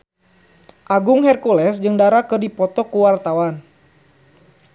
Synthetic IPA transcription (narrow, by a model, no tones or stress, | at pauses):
ʔaɡʊŋhɛrkulɛsd͡ʒɨŋdaɾakɨrdipɔt̪ɔkuwart̪awan